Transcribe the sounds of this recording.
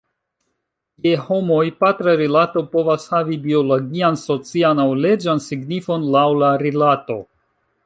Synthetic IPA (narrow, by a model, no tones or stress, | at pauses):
je̞ho̞mo̞jpatɾaɾilato̞po̞vashavibio̞loɡianso̞t͡sianawle̞d͡ʒansiɡnifo̞nlawlaɾilato̞